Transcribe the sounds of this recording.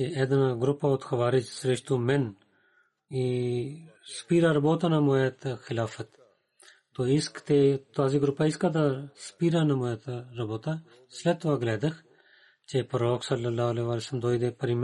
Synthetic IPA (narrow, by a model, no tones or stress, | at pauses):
t͡ʃeɛd̪ɐnaɡɾʊpːaot̪xɐʋaːɾɪd͡ʒsɾeʃt̪umɛn | i | spiːɾaːɾɐboːt̪anɐmoːjet̪xɪlaːfət̪ː | oːɪskt̪et̪aːziɡɾʊpːaːɪskad̪aspiːɾanɐmoːjet̪ɾɐboːt̪a | slɛt̪ːʋaːɡlɛːd̪əx | t͡ʃepəɾoːksɐlːɐlːaːɦɐleːʋaːlesəmd̪oːid̪epɐɾim